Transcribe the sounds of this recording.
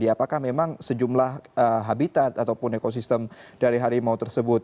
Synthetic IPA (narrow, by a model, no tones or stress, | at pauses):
diapakahmemaŋsəd͡ʒumlahəɦabit̪at̪at̪awpʊnekos̬ist̪əmd̥aɾiɦaɾimaut̪ərsəbʊt̪̚